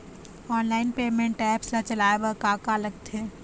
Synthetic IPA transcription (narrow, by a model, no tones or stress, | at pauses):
ɔːnlaːɪnpeːmẽɳʈɛːpslat͡ʃɐlaːebəkaːkalɐɡ̚t̪ʰẽː